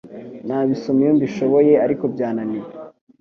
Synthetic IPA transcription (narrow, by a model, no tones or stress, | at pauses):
naːβisomijombiʃo̞βo̞je̞aɾiko̞bɟaːnanije